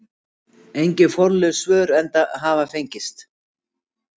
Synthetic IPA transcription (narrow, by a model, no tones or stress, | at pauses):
ejɲcɪfɔɾlʏsvœːɾɛnt̪aɦaːvafejɲcɪst̪